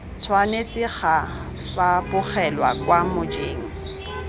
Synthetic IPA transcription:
t͡sʰwanet͡sʼɪχa | bapʼʊχɛlwa̰kwamʊd͡ʒeːŋ̩

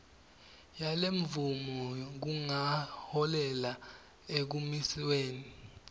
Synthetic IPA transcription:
jaleɱvumɔk̬uŋahɔlɛla | ek̬umisiweːni

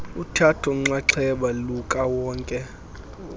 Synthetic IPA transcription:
utʰatʰɔm̩ŋ͡ǀaǀʰɛɓalukʼawɔːŋkʼɛ

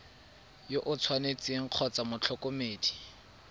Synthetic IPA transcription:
joʔʊt͡sʰwanet͡seŋ̩q͡χʰɔt͡samʊt͡ɬʰɔkʼomeːdi̥

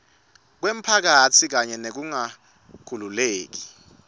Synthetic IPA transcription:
k̬wem̩pʰak̬atʰik̬aɲɛnek̬uŋa | kʰululeːk̬i

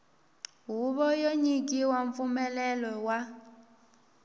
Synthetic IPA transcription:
ɦuɓɔjoɲik̬ʼiwaɱfumɛlɛlɔwa

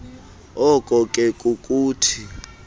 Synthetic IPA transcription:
ɔkʼɔkʼɛkʼukʼuːtʰi

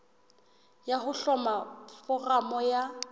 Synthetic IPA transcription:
jahʊɬɔmafɔramɔja

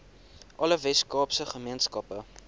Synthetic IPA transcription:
ʔɐləvɛskɑːpsəχəmiənskɐpə

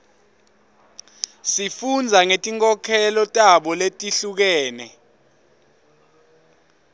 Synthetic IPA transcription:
sifund͡zʱaŋetʼiŋkʼɔkʰɛlɔtʼaɓɔletʼiɬuk̬ɛːnɛ̰

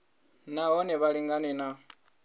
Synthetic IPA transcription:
naɦɔnɛβaliŋɡanɛna

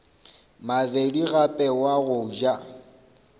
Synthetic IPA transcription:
mavediɣapʼɛwaɣʊd͡ʒa

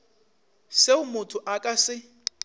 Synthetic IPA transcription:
seʊmʊtʰʊʔakʼasɪ

